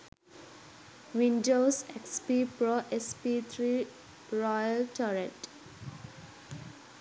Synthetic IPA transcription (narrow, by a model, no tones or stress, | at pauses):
ʋĩnɖoːsekspipɾoʔespit̪ʰɾi | ɾɔjəlʈɔɾeʈ